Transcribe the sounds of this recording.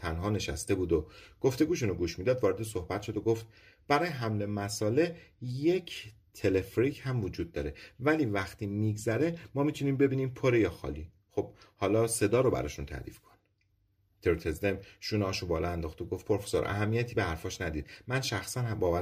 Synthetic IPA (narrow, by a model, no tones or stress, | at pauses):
t̪ʰænɦɒːne̞ʃæ̰st̪e̞buːd̪oɡ̥o̞ft̪e̞ɡuːʃ̬unoɡuːʃmiːd̪ɒːd̪vɒːɾe̞d̪es̬o̞hbæt̪ʃo̞d̪oɡoft̪̚ | b̥æɾɒːjeɦæmlemæsɒːle̞je̞cʰ | t̪ʰe̞le̞fɾichæmvod͡ʒuːd̪̚ːɒ̰ːɾe̞væliːvæxt̪ʰiːmiɡzæɾe̞mɒːmiːt̪ʰuniːmbe̞biːniːmpʰoɾejɒːxɒ̰ːli | xob̥hɒːlɒːse̞d̪ɒːɾobæ̰ɾɒ̰ːʃunt̪ʰæ̰ɾḭːfkʰon | t̪ʰeɾot̪ʰezd̪emʃuːnɒːʃobɒːlɒænd̪ɒːχt̪oɡoft̪pʰo̞ɾfe̥so̰ɾʔæ̰ɦæmːijæt̪ʰiːbehæɾfɒːʃnæd̪ḭːd̪̥̚mænʃæxsænbɒːvæ